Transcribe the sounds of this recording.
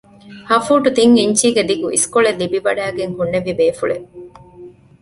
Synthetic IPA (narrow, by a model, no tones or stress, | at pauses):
hɐfuːʈut̪iŋiɲt͡ʃiːɡed̪iɡuḭskoɭelːibiʋɐɖæːɡeŋhunːeʋibeːfuɭḛ